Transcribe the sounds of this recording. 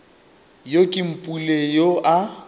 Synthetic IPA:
jokʼɪm̩pʼulejoʔa

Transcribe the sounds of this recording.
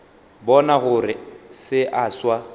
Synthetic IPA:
bɔnaɣʊrɪsɪʔaswa

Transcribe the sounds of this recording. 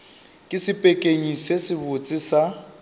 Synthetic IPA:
kʼɪsɪpʼekʼeɲisesɪbʊt͡sʼɪsa

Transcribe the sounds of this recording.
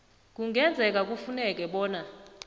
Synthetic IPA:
k̬uŋɡʱɛnd͡zʱɛk̬ak̬ʼufunɛk̬ʼɛɓɔːna

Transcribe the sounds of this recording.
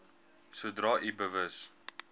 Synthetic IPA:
suədrɑːʔibəvəs

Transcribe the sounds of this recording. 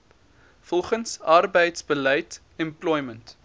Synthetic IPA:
fɔlˠχənsɐrbəjtsbəlɛjt | ɛmplɔjmənt

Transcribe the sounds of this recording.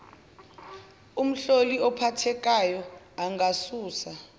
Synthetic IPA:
um̩ɬoliɔpʰatʰɛk̬ʼajɔ | aŋɡasuːsa

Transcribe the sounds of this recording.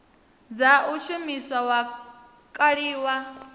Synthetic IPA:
d͡zaʔuʃumiswawa | kʼaɺiːwa

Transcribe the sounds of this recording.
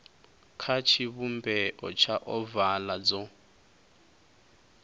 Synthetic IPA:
kʰat͡ʃʰiβumbɛʔɔt͡ʃʰaʔɔvalad͡zɔ

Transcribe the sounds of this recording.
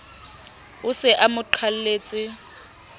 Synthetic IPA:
ʊsɪʔamʊǃʰwal̩leːt͡sʼɪ

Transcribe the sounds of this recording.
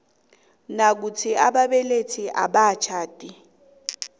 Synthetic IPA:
nak̬ut͡sʰiaɓaɓɛlet͡sʰiʔa̰ɓat͡ʃʰaːtʼi

